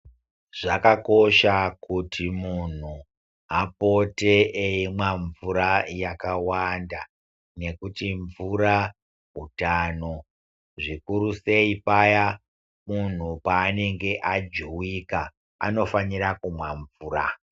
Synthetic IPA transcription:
ʐ̥akako̞ʃakutʰimun̤u | ɦapo̞te̞eimwaɱvuɾajakawanda | ne̞kutiɱvuɾa | ɦutaːno̞ | ʐikuɾuse̞ipaja | mun̤upaːne̞ŋɡe̞ʔad͡ʒuwika | a̰no̞faniɾakumwaɱvuːra

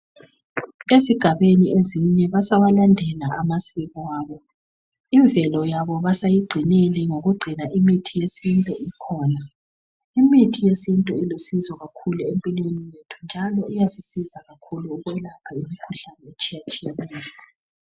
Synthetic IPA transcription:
eziɡ̥ʱaβenieziɲɛβasaβalandʱɛlaʔamasiβɔwaːβɔ | iɱvɛlɔjaβɔβasajiɡ͡ǀʱineliŋoɣuɡ͡ǀʱinaʔimitʰijesintʼɔikʰɔːna | imitʰijesintʼɔilosizɔɣakʰuluempʼilwenijetʰund͡ʒʱalɔijazisizaɣakʰuluːɣwɛlapʰaimikʰuɬanɛet͡ʃʼijat͡ʃʼijanɛːj

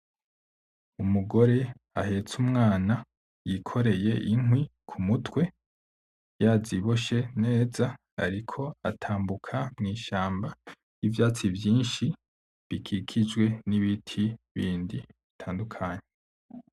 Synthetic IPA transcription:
umuɡo̞ɾe̞ | a̰he̞t͡sumŋaːna | jikʰo̞ɾe̞je̞ʔinhwikʰumutwe̞ | jaːziβo̞ʃe̞ne̞ːza | aɾikʰo̞atʰaːmbukʰamŋiːʃaːmba | jivjaːt͡sivjiːnʃi | βikʰikʰid͡ʒwe̞niβitʰiβiːndiβitʰaːndukʰaːɲe

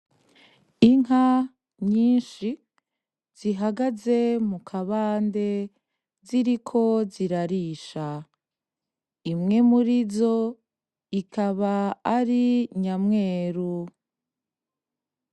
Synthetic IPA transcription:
iŋɦa | ɲiːnʃi | z̥iɦaɡaze̞mukʰaβaːnde̞ | ziɾikʰo̞ziɾaɾiːʃa | imŋe̞muɾizo̞ | ikʰaβaːɾiɲamŋe̞ːɾu

